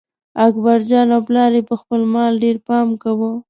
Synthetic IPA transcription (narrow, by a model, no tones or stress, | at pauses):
akbaɾd͡ʒɑnawplɑɾepəxpəlmɑlɖeɾpɑmkawə